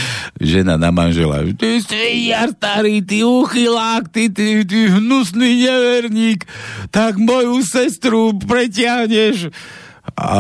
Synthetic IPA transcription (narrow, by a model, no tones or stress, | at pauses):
ʒɛna̰namanʒɛla̰t̪ist̪ijaɾt̪aɾit̪iːuxilaːkt̪it̪it̪̬iːɦnusniɲɛʋɛɾɲiːkt̪aɡmɔjusɛst̪ɾupɾɛcɪaɦɲɛʃ | a̰